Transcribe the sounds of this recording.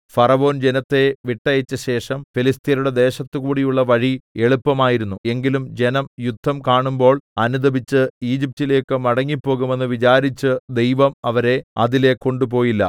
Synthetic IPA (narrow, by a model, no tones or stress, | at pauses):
fɐrɐʋo̞ːnd͡ʑenɐt̪ːe̞ʋiʈːɐjɐt͡ɕːɐɕe̞ːʂɐmfilist̪ʰijɐɾuɽe̞d̪e̞ːɕɐt̪ːɨkuːɽijuɭːɐʋɐɻie̞ɭupːɐmaːjiɾunːue̞ŋɡilumd͡ʑe̞nɐmjud̪ʱːɐmkaːɳumbo̞ːɭɐnud̪ɐbit͡ɕːɨiːd͡ʑip̚tile̞ːkːɨmɐɽɐŋːipːo̞ːɣume̞nːɨʋit͡ɕaːɾit͡ɕːɨd̪e̞jʋɐmɐʋɐɾe̞ɐðile̞ko̞ɳɖupo̞ːjilːɐ̰